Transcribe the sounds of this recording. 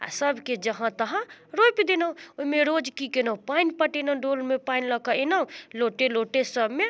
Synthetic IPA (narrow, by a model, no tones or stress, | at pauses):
a̰səbʱked͡ʒəɦãt̪əɦãɾojpid̪enəũoimeɾod͡ʒkikenəũpainpəʈenə̃ɖolmepainləkəenaũloʈeloʈesəbʱme